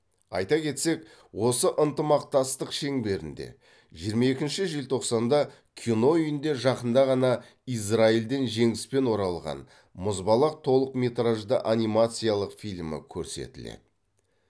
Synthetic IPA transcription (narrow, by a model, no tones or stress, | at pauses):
ɑ̰jt̪ɑkʲe̞t̪se̞k | wo̞səʔənt̪əmɑq̚t̪ɑst̪əqʃe̞ŋbe̞ɾɪ̰nd̪e̞̰ | ʒijəɾmɑe̞kʲɪnʃɪʒelʲt̪ʰo̞qsɑnd̪ɑ | kʲʰino̞ʏjɪnd̪e̞ʒɑqənd̪ɑʁɑnɑ | ijs̬raild̪e̞nʒe̞ŋɪspe̞nwo̞ɾɑlˠʁɑ̰n | mʊzbɑlˠəq̚t̪ʰo̞lˠəqmʲe̞t̪raʒd̪əʔanijmat̪sɨjalˠəqfijlʲmɪ̰kʲʰɵɾse̞̰t̪ɪlḛd̪ɪ